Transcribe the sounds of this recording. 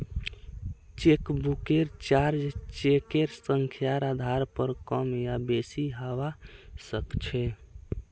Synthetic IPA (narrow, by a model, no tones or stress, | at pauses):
t͡ʃekbukeɾt͡ʃaɾd͡ʒt͡ʃekeɾsəŋkʰjaɾad̪ʱaɾpəɾkəmjabesiɦaʋasəkt͡ʃʰɛ